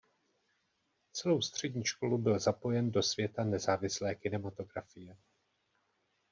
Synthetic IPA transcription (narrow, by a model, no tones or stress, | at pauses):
t͡sɛlo̞wst̪r̝̥ɛɟɲiːʃko̞lubɪlzapo̞jɛndo̞sv̥jɛt̪anɛzaːvɪslɛːkɪnɛmat̪o̞ɡɾafɪjɛ